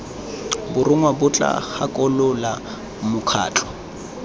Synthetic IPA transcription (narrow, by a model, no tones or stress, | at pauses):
bʊrɪŋwabʊt͡ɬʼa̰hakʼɔlʊla | mʊkʰa̰ːt͡ɬʰʼɔ̥